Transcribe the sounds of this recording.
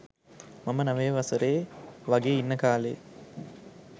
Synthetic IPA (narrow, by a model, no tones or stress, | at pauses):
mamənɐʋeːʋɐsəɾeːʋaɡeːinːəkaːlḛː